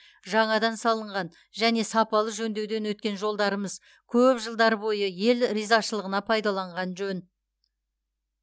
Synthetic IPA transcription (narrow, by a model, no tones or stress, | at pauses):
ʒɑɴɑd̪ɑnsɑlˠəɴʁɑn | ʒæne̞sɑpɑlˠəʒɵnd̪e̞wd̪e̞nwɵt̪̚kʲe̞nʒo̞lˠd̪ɑɾəməz | kʲʰɵpʒəlˠd̪ɑɾəbo̞jəje̞lɾijzɑʃəlˠəʁənɑpʰɑjd̪ɑlˠɑɴʁɑnʒɵn